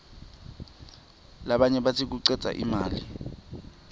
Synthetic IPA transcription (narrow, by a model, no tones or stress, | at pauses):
laɓaɲɛɓatʰik̬uǀɛt͡sʼa̰ʔḭmaːli